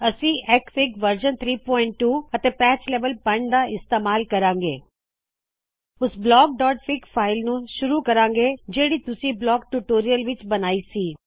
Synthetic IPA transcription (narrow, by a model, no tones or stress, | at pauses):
ɐsĩʔɛːkfɪkʋɐɾd͡ʒənt̪ʰɾiːpɔːɪɳʈːuːɐt̪epɛːt͡ʃleːʋəlpɐɳɖd̪aɪst̪eːmaːlkɐɾãːŋɡḛː | ʊsblɔːk̚ɖɔːʈfʰɪkfʰaːɪlnũʃʊɾukɐɾãːŋɡed͡ʒeːɽit̪ʊsĩblɔːɡ̚ʈuʈoːɾijəlʋɪt͡ʃbɐnaːisiː